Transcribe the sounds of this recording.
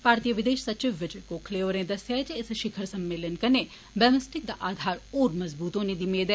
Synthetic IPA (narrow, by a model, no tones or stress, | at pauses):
paːɾt̪ijəʋɪd̪eːʃsɐt͡ʃɪʋʋɐd͡ʒɐkoːkʰleːoɾẽd̪ɐsjaːt͡ʃeeseʃɪkʰəɾsɐmːeːlənkɐne | bɐmɐsʈik̚d̪aʔaːd̪ʱaːɾoːɾmɐzbuːt̪õnid̪imeːd̪e